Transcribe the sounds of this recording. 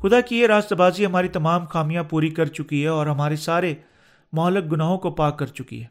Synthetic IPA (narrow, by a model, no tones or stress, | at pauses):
xʊd̪akijeɾaːst̪baːziɦɐmaːɾit̪ɐmaːmxaːmijãpuːɾikɐɾt͡ʃʊkiɦɛɔːɾɦɐmaːɾesaːɾe | mɔːlək̚ɡʊnaːɦõkopaːkːɐɾt͡ʃʊkḭɦɛː